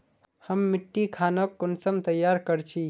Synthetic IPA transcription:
həmːiʈːikʰanəkːonsəmt̪əjːaɾkəɾt͡ʃʰi

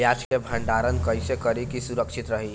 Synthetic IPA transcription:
jad͡ʒkebʱə̃ɳɖaɾənkəjsekəɾikisuɾəkʂit̪ɾəɦi

